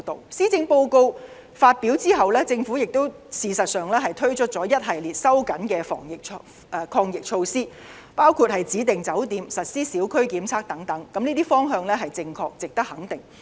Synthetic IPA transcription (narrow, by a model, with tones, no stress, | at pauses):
t̪o˨wsiː˥t͡sɪ˧ŋpo˧wko˧w | faː˧t̚piː˨˥wt͡siː˥ɦɐ˨wlɛː˥t͡sɪ˧ŋfu˨˥jɪ˨k̚t̪o˥wsiː˨sɐ˨t̚sœː˨˩ŋlɛː˥ɦɐ˨˩jt̪ʰɵ˥ɥt͡ʃʰɵ˥t̚t͡sɔː˨˥jɐ˥t̚ɦɐ˨jliː˨˩t̚sɐ˥wkɐ˨˥nkɛː˧fɔ̰ː˨˩ŋjɪ˨k̚ʰː | kʰɔː˧ŋjɪ˨k̚t͡ʃʰo˧wsiː˥ | paː˥wkʰuː˧t̚hɐ˨˩jt͡siː˨˥t̪ɪ˨ŋt͡sɐ˨˥wt̪iː˨˧msɐ˨t̚siː˥siː˨˥wkʰɵ˥ɥkiː˨˥mt͡sʰaː˥k̚t̪ɐ˨˥ŋt̪ɐ˨˥ŋkɐ˨˥mniː˥t̪iː˥fɔː˥ŋɦœː˧ŋlɛː˥ɦɐ˨jt͡sɪ˧ŋkʰɔː˧k̚t͡sɪ˨k̚t̪ɐ˥k̚hɐ˨˥ŋt̪ɪ˨˩ŋ